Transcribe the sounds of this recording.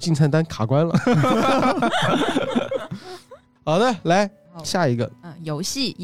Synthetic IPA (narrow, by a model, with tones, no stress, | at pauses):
t͡ɕi˥˧nt͡sʰa˥˩nt̪a˥nkʰa˨˩kwa˥nlə̰˨ | xɑ˨˩ʊd̪ə˦la˧˥ɪ | ɕja˥˩i˧˥ɡə̰˧jo˧˥ʊɕi˥˩